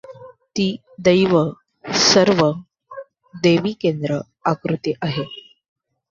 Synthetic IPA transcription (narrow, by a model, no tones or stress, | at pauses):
t̪iː | d̪əjʋə | səɾʋə | d̪eʋikend̪ɾə | akɾut̪eʔaɦe